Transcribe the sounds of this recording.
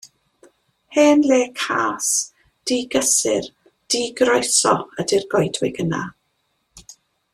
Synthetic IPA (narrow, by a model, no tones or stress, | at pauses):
heːnleːkʰaːs | d̥iɡəsɪ̰r | d̥iːɡrɔjsɔ̰ədɪrɡɔjdwɪɡəna̰